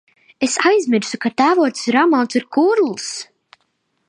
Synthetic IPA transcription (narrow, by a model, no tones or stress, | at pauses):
esajzʲmiɾsukat̪æːvuɔt̪ssɾamawt̪siɾkuːɾlˠs